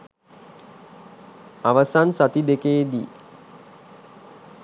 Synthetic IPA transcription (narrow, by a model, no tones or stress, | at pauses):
aʋəsansat̪id̪ekeːd̪ḭː